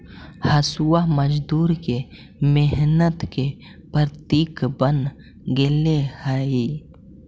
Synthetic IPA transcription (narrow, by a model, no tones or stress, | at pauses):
hɐsuwaməd͡ʒd̪uːɾke | meɦnət̪ke | pəɾt̪iːkbən | ɡelehai